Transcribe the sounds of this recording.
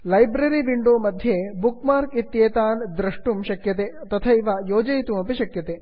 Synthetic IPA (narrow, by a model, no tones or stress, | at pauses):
lɐjbɾɐɾiʋiɳɖoːmɐd̪ʱjebukmaːɾkit̪jeːt̪aːnd̪ɾɐʂʈumʃɐkjɐt̪eːt̪ɐt̪ʰɐiʋɐjoːd͡ʒɐjit̪umɐpiʃɐkjɐt̪eː